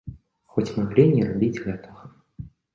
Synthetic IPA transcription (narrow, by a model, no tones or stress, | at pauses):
xɔt͡sʲmaɣlʲinʲɛrabʲid͡zʲɣʲɛt̪ɐɣɐ